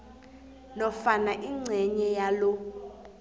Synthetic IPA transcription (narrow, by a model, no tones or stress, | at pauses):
nɔfanaʔiŋ͡ǀʱɛɲɛjalɔ